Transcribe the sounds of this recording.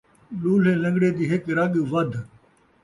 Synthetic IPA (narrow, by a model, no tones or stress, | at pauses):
luːl̤eːlə̃ŋɡɽeːd̪iːɦɪkɾɐɠʋəd̪ʱ